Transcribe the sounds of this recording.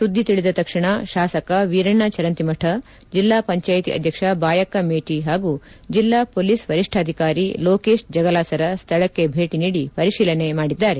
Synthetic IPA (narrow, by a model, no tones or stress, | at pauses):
sud̪ʱːit̪iɭid̪ɐt̪ɐkʂiɳɐʃaːsɐkɐʋiːɾɐɳːat͡ʃɐɾɐnt̪imɐʈʰɐ | d͡ʒilːaːpɐɲt͡ʃaːjt̪ḭʔɐ̰d̪ʱjɐkʂɐbaːjɐkɐmeːʈiɦaːɡu | d͡ʒilːaːpoːliːsʋɐɾiʂʈʰaːd̪ʱikaːɾiloːkeːʃd͡ʒɐɡɐlaːsɐɾɐst̪ʰɐɭɐkːe̞bʱeːʈiniːɽipɐɾiʃiːlɐnemaːɽid̪ːaːɾe̞